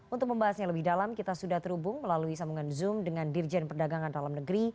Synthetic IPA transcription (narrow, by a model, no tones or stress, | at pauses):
ʔunt̪ʊk̚məmbaɦasɲaləbɪhdalamkit̪asudaht̪əɾubʊŋməlaluisamuŋanzʊmdəŋandird͡ʒɛnpərdaɡaŋandalamnəɡəɾi